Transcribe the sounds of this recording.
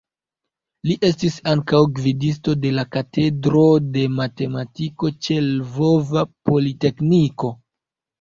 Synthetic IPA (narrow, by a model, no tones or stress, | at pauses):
liʔe̞stisaŋkawɡvidis̬to̞de̞lakate̞dɾo̞de̞mate̞matiko̞t͡ʃe̞lvo̞vapo̞lite̞kniko̞